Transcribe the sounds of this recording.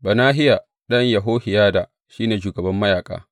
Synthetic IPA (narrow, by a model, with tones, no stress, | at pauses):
ba˨naː˦ɦɪ˦ja˨ | ɗɐ˦ɲjɐ˨ɦoː˦hɪ˨jaː˦da˨ | ʃiː˦neː˨ʃuː˨ɡɐ˨bɐ˦mːɐ˦jaː˨kʼa̰ː˦